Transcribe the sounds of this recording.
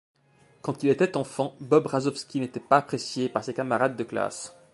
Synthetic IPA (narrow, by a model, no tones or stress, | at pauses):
kɑ̃t̪ilet̪ɛt̪ɑ̃fɑ̃bɔbʁazɔfskʲinet̪ɛpaːpχesjepaʁsekamaʁad̪ːəkla̰s